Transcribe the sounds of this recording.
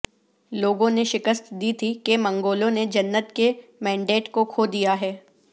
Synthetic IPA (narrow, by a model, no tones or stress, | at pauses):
loːɡõneʃɪkəst̪d̪iːt̪ʰikemɐ̃ŋɡoːlõned͡ʒɐnːət̪kemɛ̃ːɳɖeːʈkokʰoːd̪ijaɦɛː